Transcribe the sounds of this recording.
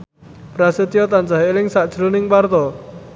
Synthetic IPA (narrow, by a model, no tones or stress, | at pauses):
pɾasət̪ijɔt̪and͡ʒaɦelɪŋsaʔd̥ʒ̥ɾonɪŋpart̪ɔ